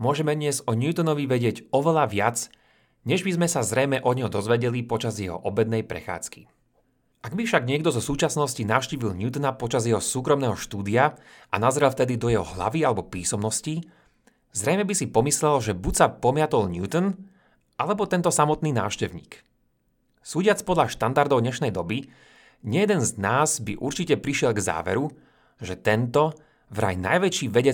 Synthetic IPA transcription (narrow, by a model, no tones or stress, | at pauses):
mʊɔʒɛmɛd̪ɲɪɛzɔɲjut̪ɔnɔʋiʋɛɟɪɛɟɔʋɛlaʋɪat͡s | ɲɛʒbizmɛsazɾɛjmɛʔɔɲɔd̪ɔzʋɛɟɛlipɔt͡ʃazjɛɦɔ̰ʔɔbɛd̪nɛjpɾɛ̰xa̰ːt͡skḭ | ʔaɡbifʃaɡɲɪɛɡd̪ɔzɔsuːt͡ʃasnɔscinaːʊʃciːʋilɲut̪napɔt͡ʃazjɛɦɔsuːkɾɔmnɛːɦɔʃt̪uːd̪ia | ʔa̰nazɾɛlft̪ɛd̪id̪ɔjɛɦɔ̰ɦla̰ʋialɛbɔpiːsɔmnɔsci | zɾɛjmɛbisipɔmislɛlʒɛbucsapɔmɪat̪ɔlɲut̪n | ʔalɛbɔt̪ɛnt̪ɔsamɔt̪niːna̰ːfʃcɛʊɲḭːk | suːɟɪat͡spɔd̪laʃt̪and̪aɾd̪ɔʊɲɛʃnɛjd̪ɔbi | ɲɛjɛd̪ɛnznaːzbiʔuɾt͡ʃicɛpɾiʃɪɛlɡza̰ːʋɛ̰ɾu | ʒɛt̪ɛnt̪ɔ | vɾa̰jna̰jʋɛt͡ʃiːʋɛɟɛ